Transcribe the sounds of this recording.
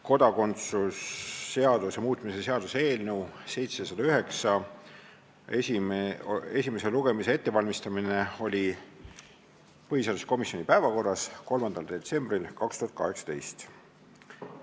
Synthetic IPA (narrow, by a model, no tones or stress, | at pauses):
ko̞d̪ɑko̞nt̪susːe̞ɑd̪̥usjɑmuːt̪mise̞se̞ɑd̪̥use̞ːlnewse̞jt̪se̞sɑd̪̥ɑyɦe̞ksɑ | esi | e̞sʲime̞seluɡ̥e̞misee̞t̪ːe̞vɑlmist̪ɑmine̞o̞lʲi | pɤɦiseɑd̪usko̞misjo̞nipæevɑko̞rːɑsko̞lmɑnd̪̥ɑld̪̥e̞t̪se̞mb̥rilkɑkst̪uhɑt̪̚kɑ̰ɦe̞ksɑ̥t̪e̞̰jst̪